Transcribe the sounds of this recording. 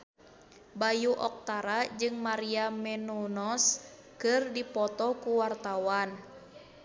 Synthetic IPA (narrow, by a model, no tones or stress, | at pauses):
bajuʔɔk̚t̪aɾad͡ʒɨŋmaɾiamɛnunɔs | kɨrdipɔt̪ɔkuwart̪awan